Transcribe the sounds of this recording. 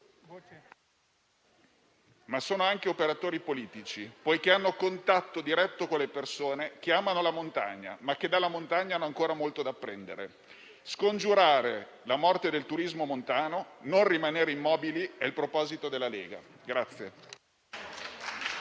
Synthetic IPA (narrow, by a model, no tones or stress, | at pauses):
masoːnoaŋkeopeɾat̪oːɾipoliːt̪it͡ʃipɔjk̟eanːokont̪at̪ːod̪iɾɛt̪ːokonlepersoːnek̟eaːmanolamont̪a̰ɲːa̰mak̟ːed̪alːamont̪aɲːanːoaŋkoːɾamolt̪od̪aːpːɾɛnd̪ḛɾḛ | skond͡ʒuɾaːɾe | lamɔrt̪ed̪elt̪uɾizmomont̪aːnononrimaneːɾeimːɔːbiliɛilpɾopɔːzit̪od̪elːalḛːɡa̰ | ɡɾat̪sːje